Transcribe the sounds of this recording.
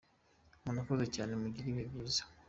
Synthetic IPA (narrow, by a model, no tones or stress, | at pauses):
munakozecaːnemuɟiɾiβiβuzḁ